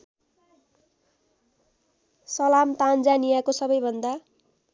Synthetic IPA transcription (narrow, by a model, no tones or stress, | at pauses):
sʌlamt̪and͡zanijakosʌbʌjbʱʌnd̪a